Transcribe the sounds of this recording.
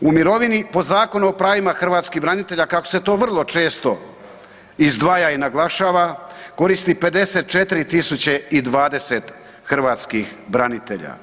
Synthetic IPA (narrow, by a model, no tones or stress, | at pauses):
umiɾo̞ʋinipo̞zaːko̞nuopɾaːʋimaxr̩ʋaːt̪skibɾanit̪e̞ʎakakose̞t̪o̞ːʋr̩lˠo̞t͡ʃe̞ːst̪o̞ | izd̪ʋaːjainaɡlˠaʃaːʋako̞ɾist̪ipe̞d̪e̞se̞t̪̚t͡ʃet̪iɾit̪isut͡ɕeid̪ʋaːd̪e̞set̪ | xr̩ʋaːt̪skixbɾanit̪eʎa̰